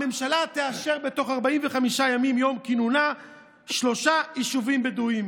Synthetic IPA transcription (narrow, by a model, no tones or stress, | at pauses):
me̞mʃalat̪eaʃe̞ʁbe̞to̞χaʁbaimveχamiʃajamimjo̞mkinuna | ʃlo̞ʃaiʃuvimbeduim